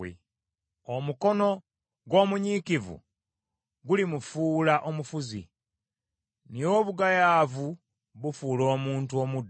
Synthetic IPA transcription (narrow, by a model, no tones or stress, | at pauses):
ḛ | omuko̞no̞ | ɡwo̞ːmuɲiːkivṵ | ɡulimufuːlaʔo̞mufuzḭ | nijo̞βuɡajaːvu | βufuːlo̞ːmuːntuo̞mud